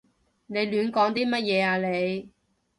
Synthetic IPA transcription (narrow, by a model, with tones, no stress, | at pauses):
ne˨˧jlyː˨˧nkɔː˨˥ŋt̪iː˥mɐ˥t̚jɛː˨˧aː˧le˨˧j